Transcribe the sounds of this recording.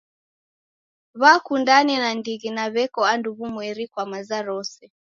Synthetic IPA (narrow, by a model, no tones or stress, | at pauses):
βakundanɛnandiɣinaβɛkɔanduβumwɛɾikwamazaɾɔsɛ